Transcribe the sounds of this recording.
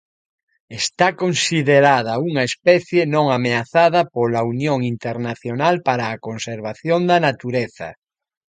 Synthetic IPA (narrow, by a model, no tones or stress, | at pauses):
est̪akonsiðeɾað̞ɐuŋaespɛθjenõŋameaθaðɐpolaunjoŋint̪eɾnaθjonalpaɾaːkonseɾβaθjond̪anat̪uɾeθa̰